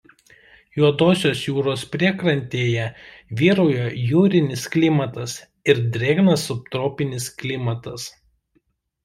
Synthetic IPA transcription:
juɔd̪oːsʲoːsjuːɾoːspʲɾʲiɛkɾɐnʲt̪ʲeːjɛʋʲiːɾʊːjojuːɾʲɪnʲɪsklʲɪmɐt̪ɐs | ɪɾd̪ʲɾʲeːɡnɐsʊp̚t̪ɾoːpʲɪnʲɪsklʲɪmɐt̪ɐs

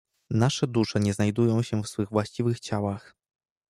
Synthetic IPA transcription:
naʂɛd̪uʂɛɲɛznajd̪ujɔ̃w̃ɕɛfsfɘɣvwaɕt͡ɕivɘxt͡ɕawax

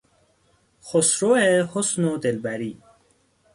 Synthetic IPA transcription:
xosɾoehosnod̪elbaɾiː

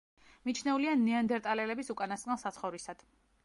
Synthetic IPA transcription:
mit͡ʃʰnɛulianːɛand̪ɛɾt̪ʼalɛlɛbisukʼanast̪ʼnɛlˠsat̪sʰχɔvɾisad̪̥

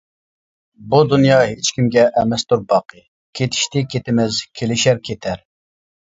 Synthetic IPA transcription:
bud̪unjɑɦet͡ʃkʲimɡʲɛʔɛmɛst̪uɾbɑqʰɨ | kʲʰet̪ʰɪ̥ʃt̪ɪkʲʰet̪ɪmɪzkʲʰelɪʃæɾkʲʰet̪ʰæɾ

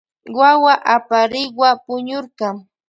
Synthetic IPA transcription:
wawaʔapaɾɪwapʊɲʊɾqɑŋ

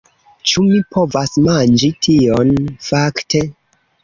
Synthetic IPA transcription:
t͡ʃumipʰo̞vasmand͡ʒitʰionfakte̞

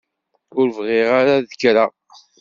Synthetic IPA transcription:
ʊɾvʁɪʁaɾaðəkɾa

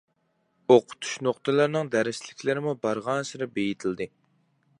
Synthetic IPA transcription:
oqʰʊ̥t̪ʰu̥ʃnoχt̪ɨlˠɨɾnɨŋd̪æɾɪslɪkʲʰlɪɾɪmubɑɾʁɑnsɪɾɪbejit̪ʰɪld̪ɨ

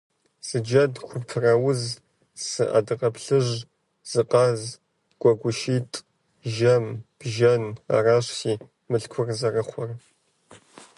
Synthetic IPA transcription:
z̥ɨd͡ʒɐdχʷʊptʰɨrɐwʊz | sɨʔɐ̰dɨqʼɐpʰɬɨʒ | z̥ɨqʼɑz | ɡ̥ʷʼɔɡʷʊʃiːtʼ | ʒɐmb̥ʒɐna̰ːraːɕsiː | mɨɬkʷʰʊrzɐrɨχʷɔr

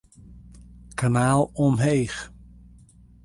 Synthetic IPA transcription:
kʰanaːlˠɔmɦejχ

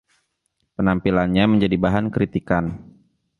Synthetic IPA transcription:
pənampilanɲaməɲd͡ʒadibaɦankɾit̪ikan

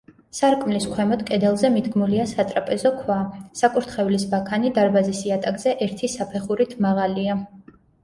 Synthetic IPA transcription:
saɾkʼmliskʰwɛmɔd̪kʼɛd̪ɛlˠzɛmid̪ɡmuliasat̪ʼɾapʼɛzɔkʰwasakʼuɾt̪ʰχɛvlisbakʰanid̪aɾbazisiat̪ʼaɡz̥ɛʔɛɾt̪ʰisapʰɛχuɾit̪ʰmaʁalia

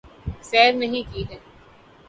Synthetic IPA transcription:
sɛːɾnɐɦĩkiːɦɛː

